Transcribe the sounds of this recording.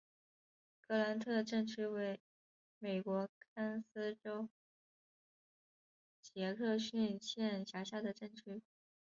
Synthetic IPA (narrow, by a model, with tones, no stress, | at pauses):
kʰɤ˥˩la˧˥nt̪ʰɤ˥˧ʈ͡ʂə˥˧ŋʈ͡ʂ̩ʰ˥we˧˥ɪ | me˨˩ɪkwɔ˧˥kʰa˥ns̩˥ʈ͡ʂo˥ʊ | t͡ɕjɛ˧˥kʰɤ˥˧ɕy˥˧nɕjɛ˥˩nɕja˧˥ɕja˥˩d̪ə˩ʈ͡ʂə˥˩ŋʈ͡ʂʰy˥